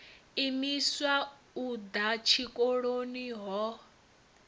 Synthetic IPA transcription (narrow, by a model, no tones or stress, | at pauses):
imiswa | ud̪at͡ʃʰikʼoɺoniɦɔ